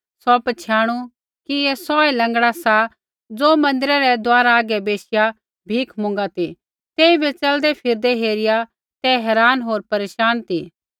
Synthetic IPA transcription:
sɔpɐt͡ʃʰjaːɽ̃u | kiɛsɔːɛlɐ̃ŋɡɽasa | d͡zoːmɐ̃nd̪ɪɾɛɾɛd̪aːɾaːɡɛbeːsɪja | bʱiːkʰmʊ̃ŋɡat̪i | t̪eːĩbʱɛt͡sɐld̪ɛpʰɪɾd̪ɛɦeːɾɪja | t̪ɛɦɛːɾaːnɦoːɾpɐɾeːʃaːnt̪iː

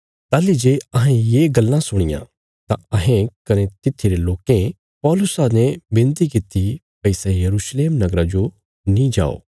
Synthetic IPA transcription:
t̪aːlid͡ʒeːɐɦẽjeːɡɐlːãsʊɽ̃ɪ̰jã̰ | t̪ãɐɦẽkɐnet̪ɪt̪ʰːiɾeloːkẽ | pɔːlʊsanebɪ̃nt̪ikɪt̪i | pɪsejɐɾuːʃleːmnɐɡɾad͡ʒo | nĩd͡ʒa̰ːo̰ː

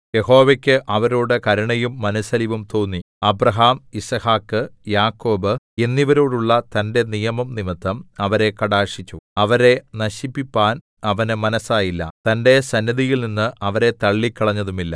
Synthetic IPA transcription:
je̞ɦo̞ːʋekʲːɨʔɐʋɐɾoːɽɨkɐɾɐɳɐjumːɐnɐsɐliʋumt̪o̞ːnːi | ɐbɾɐɦaːmisɐhaːkːɨjaːkːo̞ːbɨ | e̞nːiʋɐɾoːɽuɭːɐt̪ɐnde̞nijɐmɐmnimit̪ːɐmɐʋɐɾe̞kɐɽaːʂit͡ɕːuɐʋɐɾe̞nɐɕipːipːaːn | ɐʋɐnɨmɐnɐsaːjilːɐ̰t̪ɐnde̞sɐnːɐðijilninːɨɐʋɐɾe̞t̪ɐɭːikːɐɭɐɲːɐðumilːɐ̰

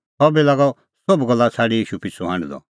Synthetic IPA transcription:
sɔbilaːɡɔ | sobɡɐlːat͡sʰaːɽijiːʃupɪt͡sʰuɦã̰ːɳɖd̪ɔ̰

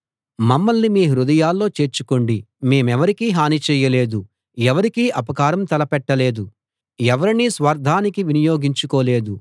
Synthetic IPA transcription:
mɐmːɐlnimiːɦɾud̪ɐjaːlːo̞ːt͡ʃe̞ːɾt͡ʃukoɳɖi | me̞ːmɛʋɐɾikiːɦaːnit͡ʃɛːjɐle̞ːd̪u | ɛʋɐɾikiːʔɐpɐkaːɾɐmt̪ɐlɐpɛʈːɐle̞ːd̪u | ɛʋɐɾiniːsʋɐɾd̪ʱaːnikiʋinijoːɡiɲt͡ʃukoːle̞ːd̪u

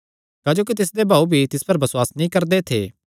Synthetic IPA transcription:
kaːd͡ʒoːk̬it̪ɪs̬d̪ebʱaːubʱit̪ɪspɐɾbɐsʊwaːsnĩkɐɾd̪et̪ʰḛː

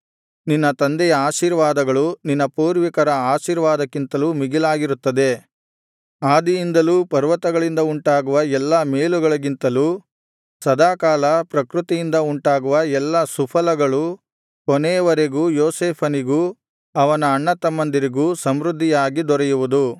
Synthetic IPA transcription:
ninːɐt̪ɐnd̪ɛjɐaːʃiːɾʋaːd̪ɐɡɐɭuninːɐpuːɾʋikɐɾɐaːʃiːɾʋaːd̪ɐkːint̪ɐluːmiɡilaːɡiɾut̪ːɐd̪e̞ | aːd̪ijind̪ɐluːpɐɾʋɐt̪ɐɡɐɭind̪ɐuɳʈaːɡuʋɐɛlːɐmeːluɡɐɭɐɡint̪ɐluː | sɐd̪aːkaːlɐpɾɐkɾut̪ijind̪ɐuɳʈaːɡuʋɐɛlːɐsupʰɐlɐɡɐɭu | kɔnɛːʋɐɾeɡuːjoːseːpʰɐniɡuː | ɐʋɐnɐːɳːɐt̪ɐmːɐnd̪iɾiɡuːsɐmɾud̪ʱːijaːɡid̪ɔɾɛjuʋud̪u

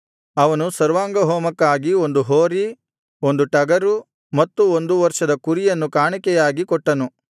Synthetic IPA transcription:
ɐʋɐnusɐɾʋaːŋɡɐɦɔːmɐkːaːɡio̞nd̪uɦoːɾi | o̞nd̪uʈɐɡɐɾu | mɐt̪ːuond̪uʋɐɾʂɐd̪ɐkuɾijɐnːukaːɳikɛjaːɡikɔʈːɐnu

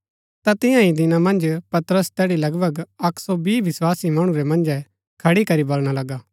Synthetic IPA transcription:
t̪at̪ɪjãĩd̪ɪnamɐ̃nd͡ʒpɐt̪ɾəst̪ɛːɽilɐɡbʱəɡɐkʰsɔbiːʋɪswaːsimɐɽ̃ũɾɛmɐ̃nd͡ʒɛ | kʰɐɽikɐɾibolɽ̃alɐɡaː

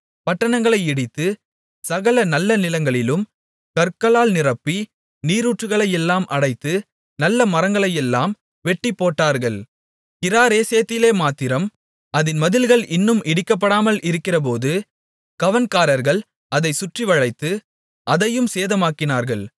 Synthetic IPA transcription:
pɐʈːɐɳɐŋɡɐɭɐɪɪɽɪt̪ːɯ | sɐɣɐlɐnɐlːɐnɪlɐŋɡɐɭɪlɯm | kɐɾkɐɭaːlnɪrɐpːi | niːɾuːʈrɯɣɐɭɐjɛlːaːmʔɐɽɐɪt̪ːɯ | nɐlːɐmɐɾɐŋɡɐɭɐjɛlːaːm | ʋɛʈːɪpːoːʈːaːɾɣɐɭ | kɪɾaːɾeːsejɐt̪ːɪleːmaːt̪ːɪɾɐm | ʔɐðɪnmɐðɪlɣɐɭɪnːɯmɪɽɪkːɐp̬ːɐɽaːmɐlʔɪɾɯkːɪrɐp̬oːðɯ | kɐʋɐnkaːɾɐɾɣɐɭ | ʔɐðɐɪsʊʈrɪʋɐɻɐɪt̪ːɯ | ʔɐðɐjɯmseːðɐmaːkɪnaːɾɣɐɭ

